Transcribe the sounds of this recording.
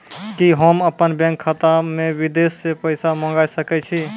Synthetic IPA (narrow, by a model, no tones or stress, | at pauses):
kiɦəməpənbɛ̃ŋkʰːat̪amẽwid̪esːepəɪsamə̃ŋɡajsəkɛt͡ʃʰi